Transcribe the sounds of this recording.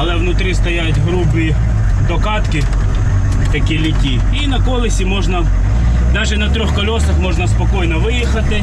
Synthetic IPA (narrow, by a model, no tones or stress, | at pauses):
ɐlˠɛʋnʊt̪ɾʲist̪ɐjat̪ʲɦɾubɪi | d̪ɔkɑt̪kɪ | t̪ɐkʲilʲitʲi | inɐkɔlˠɪsʲimɔʒnɐ | d̪ɑʒɛnɐt̪ɾʲɔxkɔlʲɔsɐxmɔʒnɐspɐkɔjnɔʋɪjixɐt̪ɪ